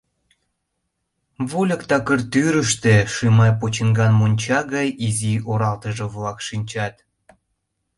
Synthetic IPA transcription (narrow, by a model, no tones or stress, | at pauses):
βolʲəkt̪ɑkərt̪yɾəʃt̪ĕʃimɑjpot͡ɕənɡɑnmonʲt͡ɕɑɣɑjizioɾɑlt̪əʒĕβlɑkʃinʲt͡ɕɑt̪